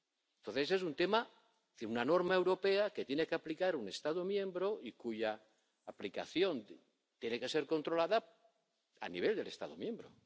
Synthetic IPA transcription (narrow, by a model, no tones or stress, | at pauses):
ent̪o̞nθeses̬unt̪e̞ma | θiɾunano̞ɾmae̞wɾo̞pe̞ake̞t̪jene̞keaplikaɾune̞st̪aðomjẽ̞mbɾo̞ikuʝaː | plika̰θjo̞n | t̪je̞ne̞ke̞se̞ɾko̞nt̪ɾo̞laða | a̰niβ̞e̞ld̪e̞le̞st̪aðo̰mje̞mbɾo̰